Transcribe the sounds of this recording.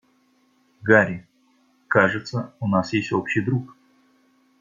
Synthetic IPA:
ɡaɾʲɪ | kaʐɨt̪səʊnasjesʲtʲopɕːɪjd̪ɾuk

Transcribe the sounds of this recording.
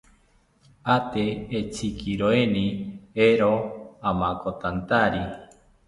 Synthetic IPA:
at̪eːt͡sikʰiɾoenĩeɾoamãkot̪ant̪aɾi

